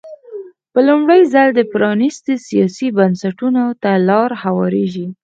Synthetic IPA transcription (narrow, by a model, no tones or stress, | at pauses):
pəlumɽəjzald̪əpɾɑnist̪isijɑsibansaʈunot̪alɑɾhawɑɾeʒi